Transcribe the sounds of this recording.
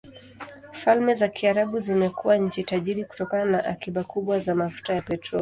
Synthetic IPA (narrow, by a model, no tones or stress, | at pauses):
falmɛzakiaɾaɓuzimɛkuwaɲ̩t͡ʃitaʄiɾiku̥tɔkananaʔakiɓakuɓwazamafu̥tajapɛtɾɔl